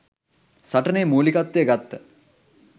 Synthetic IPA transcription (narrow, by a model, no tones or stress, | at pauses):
saʈəneːmuːlikat̪ːejəɡat̪ːə